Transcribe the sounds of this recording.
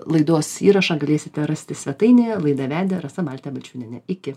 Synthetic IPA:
lˠɐɪd̪oːsiːɾɐʃɑɡɐlʲeːsʲɪt̪ʲɛɾɐsʲt̪ʲɪsʲʋʲɛt̪ɐɪnʲeːlˠɐɪd̪ɐʋʲæːd̪ʲɛɾɐsɐbɑːlʲt̪ʲɛbɐlʲt͡ʃʲuːnʲɛnʲɛɪkʲɪ

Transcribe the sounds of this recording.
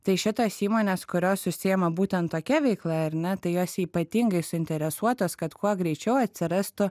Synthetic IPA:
t̪ɐɪʃʲɪt̪oːsiːmoːnʲeːskʊɾʲoːssʊsʲɪjɛmɐbuːt̪ʲɛnt̪tːoːkʲɛʋʲɛɪklˠɐɐɾnʲɛt̪ɐɪjoːsiːpɐt̪ʲiŋɡɐɪsʊɪnʲt̪ʲɛɾʲɛsuɔt̪oːskɐt̪kuɔɡɾʲɛɪt͡ʃʲɛʊɐt̪ʲsʲɪɾɐst̪ʊ

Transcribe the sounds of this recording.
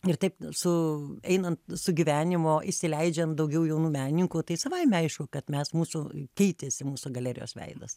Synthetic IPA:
ɪrt̪ɐɪpsʊɛɪnɐnt̪sʊɡʲiʋʲæːnʲɪmoːʔɪʃʲsʲɪlʲɛɪd͡ʒʲɛnd̪ɐʊɡʲɛʊjɛʊnuːmʲæːnʲɪnʲɪŋkuːt̪ɐɪsɐʋɐɪmʲɛɐɪʃkʊːkɐt̪mʲɛsmuːsʊkʲɛɪt̪ʲeːsʲɪmuːsʊɡɐlʲæːɾʲɪ̰jo̰ːsʋʲɛ̰ɪd̪ɐs

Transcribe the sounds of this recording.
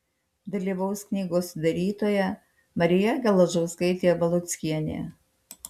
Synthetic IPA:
d̪ɐlʲiːʋɐʊsknʲiːɡoːsd̪ɐɾʲiːt̪oːjɛ | mɐɾʲɪjɛɡʲɛlˠɐʒɔʊskɐɪt̪ʲeːjbɐlˠʊt̪sʲkʲiɛnʲḛː

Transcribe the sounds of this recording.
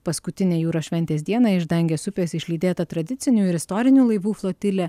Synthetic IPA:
pɐskʊt̪ʲɪnʲeːjuːɾoːʃʲʋʲɛnʲt̪ʲeːsd̪ʲiɛnɑɪʒd̪ɐŋʲɡʲeːsʊpʲeːsɪʃʲlʲiːd̪ʲeːt̪ɐt̪ɾɐd̪ʲɪt̪sʲɪnʲuːɪɾɪst̪ɔːɾʲɪnʲuːlˠɐɪʋuːflˠoːt̪ʲɪlʲɛː

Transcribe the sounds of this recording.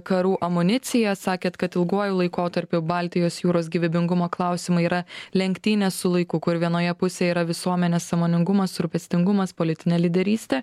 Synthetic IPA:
kɐɾuːʔɐmʊnʲɪt̪sʲɪjɛsɑːkʲeːt̪kɐt̪ɪlˠɡuːɔjulˠɐɪkoːt̪ɐɾʲpʲʊbɑˑlʲt̪ʲɪjoːsjuːɾoːs̬ɡʲiːʋʲɪbʲɪŋɡʊmoːklˠɑˑʊsʲɪmɐiːɾɐlʲɛŋʲkʲt̪ʲiːnʲeːssʊlˠɐɪkʊkʊɾʋʲiɛnoːjɛpʊsʲeːjɛiːɾɐʋʲɪsuɔmʲɛnʲeːsːɐmoːnʲɪŋɡʊmɐsɾʊpʲɛsʲt̪ʲɪŋɡʊmɐspoːlʲɪt̪ʲɪnʲeːlʲɪd̪ʲɛɾʲiːsʲt̪ʲeː

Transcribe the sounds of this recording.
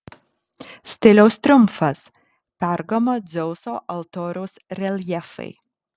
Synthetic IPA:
sʲt̪ʲɪlʲɛʊst̪ʲɾʲʊmfɐs | pʲɛɾɡɐmod̪zʲɛʊsoːʔɐlˠt̪oːɾʲɛʊsɾʲɛlʲjɛfɐ̰ɪ

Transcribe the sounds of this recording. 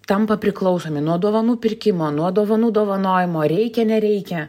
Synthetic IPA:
t̪ɐmpɐpʲɾʲɪklˠɐʊsoːmʲɪnuɔd̪oːʋɐnuːpʲɪrʲkʲɪmoːnuɔd̪oːʋɐnuːd̪oːʋɐnoːjɪmoːɾʲɛɪkʲɛnʲɛɾʲɛɪkʲɛ

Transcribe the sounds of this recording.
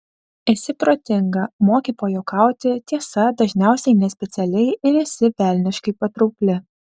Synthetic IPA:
ɪsʲɪpɾoːt̪ʲɪŋɡɐmoːkʲiːp̪oːjoːkɐˑʊt̪ʲɪt̪ʲiɛsɐd̪ɐʒʲnʲæˑʊsʲɛɪnʲɛsʲpʲɛt̪sʲɛlʲɛɪɪɾɪsʲɪʋʲæˑlʲnʲɪʃkɐɪpɐt̪ɾɔʊkʲlʲɪ

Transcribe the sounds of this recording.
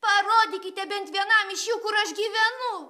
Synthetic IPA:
pɐɾoːd̪ʲɪkʲɪt̪ʲɛbʲɛnt̪ʋʲiɛnɐmɪʃjuːkʊɾɐʃɡʲiːʋʲɛnʊ

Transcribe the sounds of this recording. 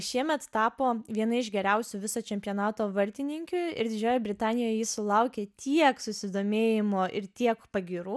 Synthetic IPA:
ʃʲiɛmʲɛt̪t̪ɑːpoːʋʲiɛnɐɪʒɡʲɛɾʲɛʊsʲʊːʋʲɪsoːt͡ʃʲɛmʲpʲɪjoːnɑːt̪oːʋɐɾʲt̪ʲɪnʲɪŋʲkʲʊɪ̰ɾd̪ʲɪd͡ʒʲoːjobʲɾʲɪt̪ɑːnʲɪjoːjɛjɪsʊlˠɐʊkʲeːt̪ʲiɛksʊsʲɪd̪oːmʲeːjɪmoːʔɪɾt̪ʲiɛkpɐɡʲiːɾuː

